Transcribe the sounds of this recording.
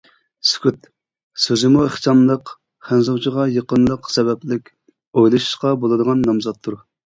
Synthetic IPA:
sy̥kʲyt̪ | søzɪmuəχt͡ʃɑmlˠəq | χænzɑwt͡ʃʰəʁɑjəqənlˠəqsɛbɛplɪkʲ | ojlˠɨʃɨ̥ʃqɑbolˠɨd̪əʁɑnːɑmzɑt̪ʰːuɾ

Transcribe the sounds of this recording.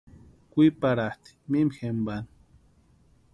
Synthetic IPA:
kʷipaɾaht̪i̥mimxemban

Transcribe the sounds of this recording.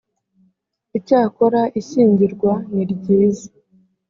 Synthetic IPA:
icaːkoɾaʔiʃiːɲɟiɾɡwaniɾɟiːzi

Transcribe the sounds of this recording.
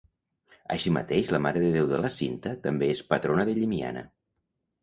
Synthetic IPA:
ə̰ʃimə̰t̪eʃləmaɾəðəðewðələsint̪ət̪əmbeespət̪ɾonəðəʎimia̰nə̰

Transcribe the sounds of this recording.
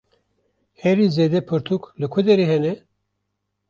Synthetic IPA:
hɛɾizeːd̪ɛpʰɨɾt̪ʰuklɨkʷʰud̪ɛɾeɦɛnɛ

